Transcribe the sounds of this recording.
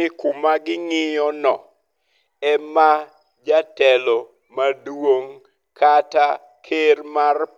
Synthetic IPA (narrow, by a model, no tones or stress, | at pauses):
ɪkʊmaɡɪŋɪjɔnɔ̰ | ɛma | d͡ʒatɛlɔ | madwoŋ | kʰata | kʰermar